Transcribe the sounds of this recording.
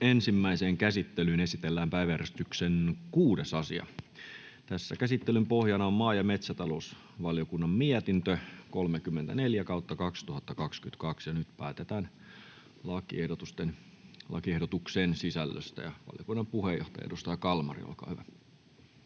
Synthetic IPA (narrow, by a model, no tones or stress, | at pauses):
ensimːæiseːŋkæsit̪ːelyːnesit̪elːæːmpæiʋææɾrest̪yksenkuːdesɑsḭɑ̰ | t̪æsːæ̰kæsit̪ːelympohjɑnɑommɑːjɑmet̪sæt̪ɑlous | ʋɑljokunːɑmmiæt̪int̪økolmekymːent̪æneljækɑut̪ːɑkɑkst̪uhɑt̪ːɑkɑkskyt̪kɑksjɑnyt̪pæːt̪et̪æːn | lɑkḭehdot̪ust̪en | lɑ̰kiehdot̪ukseːnsisælːø̰st̪æ̰jɑʋɑ̰ljokunːɑmpuhejo̰ht̪ɑjɑ̰dust̪ɑjɑkɑlmɑ̰rḭo̰lkɑ̰ːhyʋæ